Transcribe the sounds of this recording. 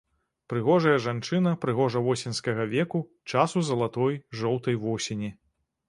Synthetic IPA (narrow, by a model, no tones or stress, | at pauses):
pɾɨɣɔʐɐjɐʐant͡ʂɨnɐpɾɨɣɔʐɐvɔsʲɛnskɐɣɐvʲɛku | t͡ʂasuzɐlˠat̪ɔjʐɔwt̪ɐjvɔsʲenʲi